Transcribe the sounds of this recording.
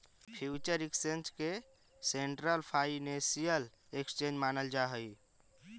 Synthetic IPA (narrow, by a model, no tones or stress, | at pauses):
pʰiut͡ʃəɾekst͡ʃent͡ʃke | seɳʈɾəlpʰainesijəl | ekst͡ʃẽd͡ʒmanəld͡ʒaɦəj